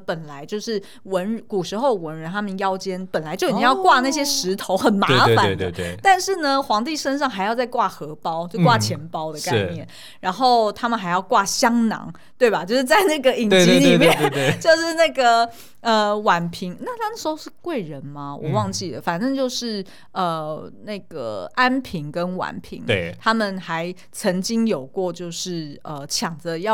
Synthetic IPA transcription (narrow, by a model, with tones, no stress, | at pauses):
pə˨˩nla˧˦ɪt͡ɕjo˥˧ʊʂɻ̩˥˩ | wə˧˥nɻku˨˩ʂɻ̩˧˥xo˥˩ʊwə˧˦˥nɻə˧˥nt̪ʰa˥mə˨njɑ˥ʊt͡ɕjɛ˥npə˨˩nla˧˦ɪt͡ɕo˥˩˨t̪i˥jɑ˥˧kwa˥˧na˥˩ɕjɛ˥ʂɻ̩˧˥t̪ʰo˧˥ʊxə˨˩nmae˥˧˥nfa˨˦e˥˧d̪ə˥˧e˥˩t̪a˥˧nʂɻ̩˥˩nə˩xwɑ˧˥ŋt̪i˥˩ʂə˥nʂ̬ɑ˥˩ŋxa˧˥ɪjʊt͡sa˥˧ɪkwa˥˩xɤ˧˥pɑ˥ʊt͡ɕjo˥˧kwa˥˩t͡ɕʰjɛ˧˥npɑ˥ʊd̪ə˨ka˥ɪ˩njɛ˥˩n | ɻa˧˥nxo˥˩ʊt̪ʰa˥mə˨nxa˧˥ɪjɑ˥˧ʊkwa˥˩ɕjɑ˥ŋnɑ̰˧˥ŋ | t̪we˥˩ɪba˨˩t͡ɕjo˥˧ʂɻ̩˥˩t͡sa˥˧ɪna˥˩ɡə˩i˨˩ŋwe˥˧t͡ɕi˧˥ni˨˥˨mjɛ˥˨t͡ɕjo˥˧ʊʂɻ̩˥˧na˥˩ɡə˩ | ə˩wa˨˩npʰi˧˥ŋna˥˩t̪ʰa˥d̪ə˨˩ʂ̩˧˥xo˥˧ʊʂɻ̩˥˧kwe˥˩ɪɻə˧˦nmɐ˧wʔɔ̰˨˩wɑ˥˧ŋt͡ɕi˥˩d̪ə˩fa˨˩nʈ͡ʂə˥˧t͡ɕjo˥˧ʊʂɻ̩˥˩ | ə˨˩na˥˩ɪɡə̰˩a˥npʰi˧˥ŋkə˦nwa̰˨˩npʰḭ˧˥ŋwe˥˩t̪ʰa˥mə˨nxa˧˦ɪ | t͡sʰə˧˥ŋt͡ɕi˥ŋjo˨˩ʊkwɔ˥˧t͡ɕjo˥˧ʊʂɻ̩˥˩ə˩t͡ɕʰjɑ˨˩ŋd͡zə˦jɑ˥˩